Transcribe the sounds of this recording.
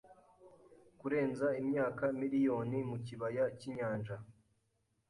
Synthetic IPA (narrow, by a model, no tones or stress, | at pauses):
kuɾe̞ːnzaimɲaːkamiɾijo̞ːnimuciβajaciɲaːnʒa